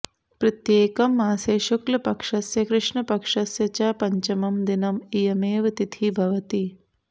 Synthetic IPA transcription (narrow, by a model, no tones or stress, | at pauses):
pɾɐt̪jeːkɐmːaːseːʃuklɐpɐkʂɐsjɐkɾɪʂɳɐpɐkʂɐsjɐt͡ʃɐːpɐɲt͡ʃɐmɐmd̪inɐmijɐmeːʋɐt̪it̪ʰibʱɐʋɐt̪i